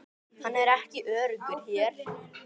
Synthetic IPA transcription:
hanːɛɾɛhcɪʔœːɾʏkʏɾçɛːɾ̥

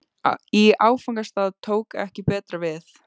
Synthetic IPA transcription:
iaːwfawŋkast̪aːðt̪ʰoːwkɛ̰hcɪpɛːt̪ɾavɪθ

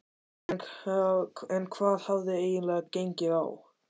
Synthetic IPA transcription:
n | ɛnkʰvaːð̥havðeeːjɪnlɛɣcejɲcɪaw

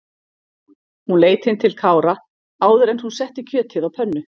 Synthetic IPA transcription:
hunleːjt̪hɪnt̪ʰɪlkʰaːwɾa | aːwðʏɾɛnθunsɛht̪ɪcʰœːt̪ʰɪðawpʰœnːʏ

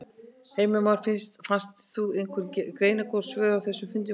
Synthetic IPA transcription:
heːjmʏmawɾ̥fɪnst̪fanst̪θuɪŋkʰvʏɾkɾeːjnɪkɔɾ̥svɛːðawθɛsːʏmfʏnt̪̬ɪ

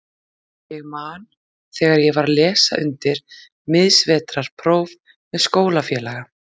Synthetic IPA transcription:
jɛɣmaːn | θɛːɣaɾjɛvaɾlɛːsa̰ʔʏnt̪ɪɾ̥ | mɪðsvɛːt̪ɾaɾ̥pʰɾowv | ɛðskoːwlafjɛːlaɣa

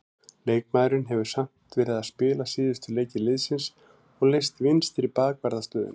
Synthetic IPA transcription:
leːjkmaːjɾʏnɦɛvʏɾ̥sam̥t̪vɪɾðaspɪːlasiːðʏst̪ʏleːjcɪlɪðsɪns | ɔɣlejst̪vɪnst̪ɪɾipaːkvaɾðast̪œːðʏ̰n

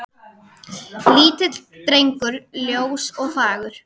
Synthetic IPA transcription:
liːt̪ɪt̪l̥t̪ɾejŋkʏɾljowsɔɣfaːɣʏɾ̥

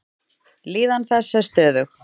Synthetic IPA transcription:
liːðanθɛsːɛst̪œːðʏx

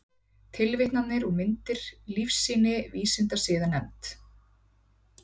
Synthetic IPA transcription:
t̪ʰɪlvɪht̪nat̪nɪɾɔɣmɪnt̪ɪɾ̥lifsːiːnɪviːsɪnt̪asɪːðanɛmt̪

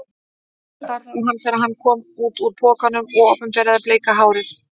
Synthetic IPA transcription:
t̪aɾðauɦanθɛɾaðhanːkʰɔːmuːt̪uɾpʰɔːkanʏmɔɣɔpʏmt̪aɾaðaɾpleːjkaɦaːwɾɪɾ̥

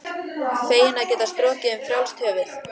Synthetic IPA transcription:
feːjɪnaðcɛːt̪ast̪ɾɔːcɪʏmfɾjawlst̪ʰœːvɪɾ̥

